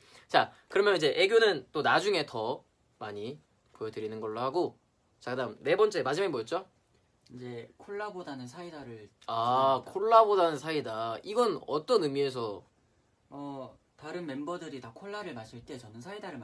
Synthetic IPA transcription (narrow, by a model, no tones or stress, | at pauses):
t͡ɕakɯɾʌmjʌnid͡ʑe̞ʔe̞ɡjonɯnt͈onad͡ʑuŋe̞tʌ | maɲi | pojʌdɯɾinɯnɡʌɭːohaɡo | t͡ɕakɯdaɯmne̞bʌnt͡ɕ͈e̞mad͡ʑimaɡimojʌt̚t͡ɕ͈o | ind͡ʑe̞kʰoɭːabodanɯnsʰaidaɾɯɭ | akʰoɭːabodanɯnsʰaidaiɡʌnʌt͈ʌnɯmie̞s̬ʰʌ | ʌ | taɾɯnme̞mbʌdɯɾitakʰoɭːaɾɯɭmaɕ͈ʰiɭt͈e̞t͡ɕʌnɯnsʰaidaɾɯɭ